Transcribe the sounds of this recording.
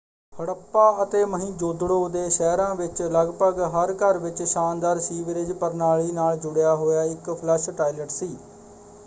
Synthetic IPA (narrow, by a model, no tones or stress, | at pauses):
həɽəpːaːət̪eːməɦĩːd͡ʒoːd̪ɽoːd̪eːʃɛːɾãːʋɪt͡ʃləɡpəɡɦəɾkəɾʋɪt͡ʃʃaːnd̪aːɾsiːʋɪɾɪd͡ʒpəɾnaːɭiːnaːld͡ʒʊɽjaːɦoːjaːɪkpʰlɛʃʈaːiləʈsiː